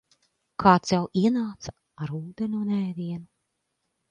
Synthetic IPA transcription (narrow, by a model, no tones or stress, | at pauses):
kʰaːt̪sɛwʔiɛnaːt̪sa | aɾuːd̪enunɛːd̪iɛnu